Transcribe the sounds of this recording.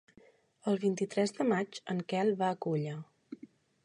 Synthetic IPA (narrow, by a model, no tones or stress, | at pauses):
əlˠβint̪it̪ɾɛzðəmad͡ʒəŋkɛlˠβaəkuʎə